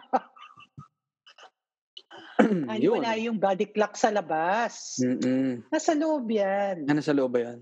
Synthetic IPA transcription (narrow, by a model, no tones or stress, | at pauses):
anjonajʊŋbaːd̪ɪk̚lɐk̚sɐlɐbasm̩ːnasɐloʔobjanɐnasɐloʔobɐjan